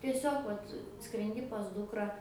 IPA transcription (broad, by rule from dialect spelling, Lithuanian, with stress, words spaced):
tʲiɛˈsʲoːk ˈʋɐt skrʲɛnʲˈdʲɪ pɐs ˈdʊkrɐ